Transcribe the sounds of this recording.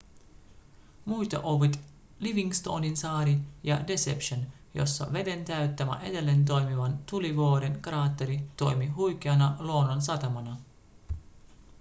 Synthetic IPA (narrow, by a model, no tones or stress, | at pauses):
mujt̪ɑ̰ʔoʋit̪ | liʋiŋɡst̪o̰ːninsɑːɾijɑde̞sḛpʃon | jo̞̰sːɑ̰ʋe̞de̞nt̪æyt̪ːæmæ̰ʔe̞de̞lːe̞nt̪̬o̞jmiʋɑnt̪uliʋoːɾenkrɑːt̪ːeɾit̪o̞̰jmiɦujkeɑnɑloːnons̬ɑt̪ɑmɑnɑ